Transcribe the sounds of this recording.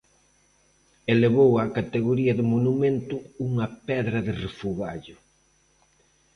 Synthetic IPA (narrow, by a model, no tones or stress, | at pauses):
eleβowakat̪eɣoɾiɐðɪmonumẽnt̪ʊuŋɐpɛðɾɐðɪrefuɣaʎʊ